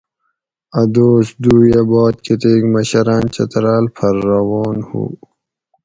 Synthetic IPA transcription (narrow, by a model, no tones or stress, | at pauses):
ɐd̪oːsd̪uːjɐbɔːt̪̚kʰit̪eːkmɐɕɐɾaːnt͡ɕɐ̰t̪ɾaːlpʰɐɾːɐwoːnhṵ